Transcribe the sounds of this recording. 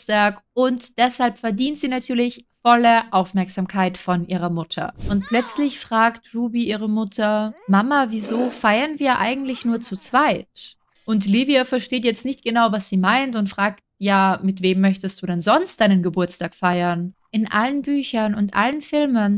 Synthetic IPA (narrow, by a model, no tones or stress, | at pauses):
taːkʔʊntd̥ɛshalpfɛɐdiːntz̥iːnatʰyːɐlɪçfɔləʔaʊfmɛɐkz̥aːmkʰaɪtfɔnʔiːʁ̞ɐmʊtʰɐ̰ʔʊnt̚pl̥œt͡slɪçfʁ̥aːktʁuːbiʔiːʁ̞əmʊtʰɐmamaviːzoːfaɪɐnviːɐʔa̰ɪɡŋ̩tlɪçnuːɐt͡sut͡sv̥aɪt | ʔʊntliviafɛɐʃteːtjɛt͡stnɪçt̚ɡ̥ənaʊvasz̥iːmaɪntʊntfʁ̥aːk̚tjaːmɪtv̥eːmːœçtəstd̥uːdɛnzɔnstd̥aɪnənɡəbʊɐt͡staːkfaɪɐnʔɪnʔa̰lənbyːçɐnʊntʔa̰lənfɪlmən